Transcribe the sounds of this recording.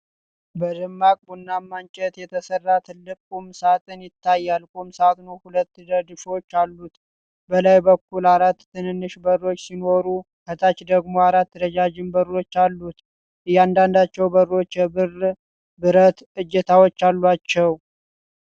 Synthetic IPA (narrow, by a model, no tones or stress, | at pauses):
bəd̪ɨmːakʼunːamːant͡ʃʼɛt̪jɛt̪ʰəsərːat̪ʰɨlːɨkʼumsat̪ʰʼɨnjɪt̪ːajːalkʼumsat̪nuhulət̪ːɨd̪əd̪ɨʃo̞t͡ʃːalːut̪ | bəlajbəkːulaɾat̪ːɨnɨnːɨʃbəro̞t͡ʃːsino̞ɾu | hʰət̪ʰat͡ʃd̪əɡmo̞aɾat̪ːɾəd͡ʒad͡ʒɪmbəro̞t͡ʃːalːut̪ | ɨjand̪and̪at͡ʃːɛwbəro̞t͡ʃːjɛbɨr | bɨɾət̪ | ɨd͡ʒːɛt̪ʰawot͡ʃːalːat͡ʃːɛw